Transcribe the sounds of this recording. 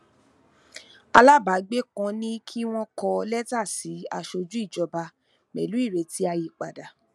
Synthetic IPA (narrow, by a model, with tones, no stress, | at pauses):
a˧la˦ba˨˦ɡ͡be˦kã˧nĩ˦kʰi˦w̃ɔ̃˦kɔ˧lɛ˦ta˦˨si˨˦a̰˧ʃo˧d͡ʒu˦i˦˨d͡ʒɔ˧ba˧ | mɛ̰˨lu˨˦i˦˨ɾe˨˧ti˦a˧ji˨k͡pa̰˨da˨